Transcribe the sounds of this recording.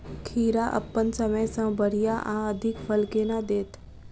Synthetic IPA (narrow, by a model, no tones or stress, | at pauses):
kʰiɾaʔə̰pːənsəməjsə̃bʱəɾijaʔã̰əd̪ʱikfəlkenad̪et̪ʰ